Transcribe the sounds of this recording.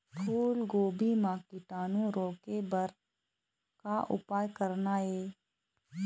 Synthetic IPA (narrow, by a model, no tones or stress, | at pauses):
pʰuːlɡoːbimãːkɪʈaːnũɾoːkebəɾ | kaʔʊ̰paːjkəɾnaeː